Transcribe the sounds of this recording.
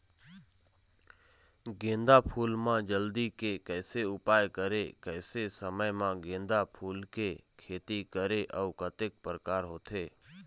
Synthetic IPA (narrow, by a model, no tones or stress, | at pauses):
ɡẽnd̪apʰuːlmãd͡ʒəld̪ikekəːseʊpaːjkəɾekəɪsesəməjmãɡẽːnd̪apʰuːlkekʰeːt̪ikəɾeʔəukət̪ek̚pəɾəkaːɾɦoːt̪ʰeː